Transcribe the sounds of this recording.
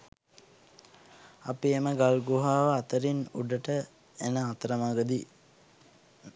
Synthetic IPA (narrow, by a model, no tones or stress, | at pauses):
apieməɡalɡuɦaːʋəat̪əɾinuɖəʈə | enəat̪əɾəmaɡəd̪i